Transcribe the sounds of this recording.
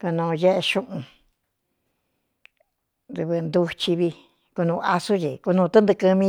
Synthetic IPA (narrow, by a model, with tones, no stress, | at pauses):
ku˧nũː˧je˦ʔe˧ʃũ˦ʔũ˧ | d̪ɨ˧βɨ˧nd̪u˧t͡ʃi˧βi˧ | ku˧nũː˧ʔa˧su˦t͡ʃi˨ku˧nũ˧t̪ɨ˦nd̪ɨ˧kɨ̃˧mĩ˦˧